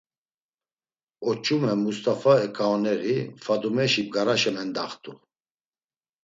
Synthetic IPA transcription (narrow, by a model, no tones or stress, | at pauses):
ɔt͡ʃʼumɛmust̪afaɛkʰaɔnɛɾifad̪umɛʃip̚ɡaɾaʃɛmɛnd̪aχt̪ʰʼu